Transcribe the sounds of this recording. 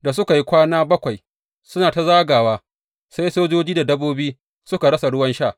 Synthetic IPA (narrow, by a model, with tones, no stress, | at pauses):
da˨sʊ˦ka˨ji˦kʷaː˦naː˦bɐ˦kʷa˨j | sʊ˦naː˨ta˦zaː˦ɡaː˨waː˦ | sa˦jsoː˦d͡ʒoː˦d͡ʒiː˦da˨dɐ˦boː˦biː˦ | sʊ˦ka˨ɽɐ˦sa˨ɽʊ˦wɐ˦nʃaː˦˨